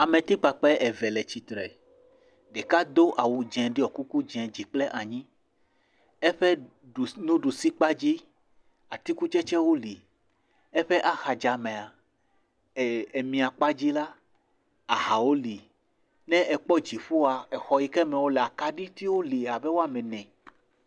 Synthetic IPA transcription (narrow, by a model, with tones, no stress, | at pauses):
a˨mẽ˨t̪i˦k͡pa˨k͡pɛ˦ʔɛ˨vɛ˨lɛ˨t͡ɕi˦t̪ɾɛ˨ | ɖe˨ka˦d̪o˦ʔa˨wu˨d͡ʒɛ̃˨ɖi˦ɔ˨ku˦ku˦d͡ʒɛ̃˨d͡ʑi˨k͡plɛ˦ʔa˨ɲĩ˦ | ɛ˦ɸɛ˦˨ | nũ˦ɖu˨si˦k͡pa˦d͡ʑi˦ | a˨t̪i˦ku˦t͡ʃɛ˦t͡ʃɛ˦wo˦li˨ | ɛ˦ɸe˦ʔa˨xa˨d͡ʒa˨mɛ̃˨a˨ | e˨mĩ˨a˨k͡pa˦d͡ʑi˦la˦ | a˨ɦa˨wo˦li˨ | nɛ̃˦ʔɛ˨k͡pɔ˦d͡ʑi˨ɸu˦a˨ɛ˨xɔ˨ji˦kɛ˦mɛ̃˨wo˦lɛ˨a˨ka˦ɖi˦t̪i˦wo˦li˨a˨bɛ˦wo˦a˨mɛ̃˨nɛ̃˨